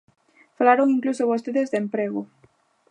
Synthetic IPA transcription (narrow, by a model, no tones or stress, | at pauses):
falaɾoŋiŋklusoβost̪eðezðempɾeɣo